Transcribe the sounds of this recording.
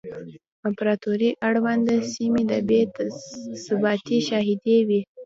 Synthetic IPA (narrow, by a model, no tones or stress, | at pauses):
ampɾɑt̪uɾiʔaɽwand̪d̪əsimid̪əbe | sabɑt̪iʃɑɦɪd̪ewi